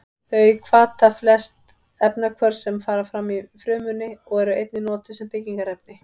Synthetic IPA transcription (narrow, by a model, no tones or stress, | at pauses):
θœɥkʰvaːt̪ʰaflɛst̪ | ɛpnakʰvœɾsɛmfaːɾafɾamːifɾʏːmʏnːɪɔɣɛɾʏejt̪nɪnɔːt̪ʏ̥sɛmpɪciŋkaɾɛp̚nɪ